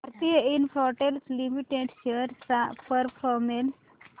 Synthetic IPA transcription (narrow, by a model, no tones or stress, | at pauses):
bʱɐɾt̪ijəinpʰoʈelslimiʈeɖʃeɾsapʰəɾpʰɾɔmen